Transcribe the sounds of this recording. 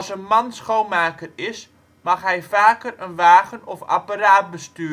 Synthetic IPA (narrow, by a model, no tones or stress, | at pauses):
sənmɑnsχownmaːkərɪs | mɑχɦɛjfaːkərənʋaːɣənɔfa̰paɾaːt̚bəstyː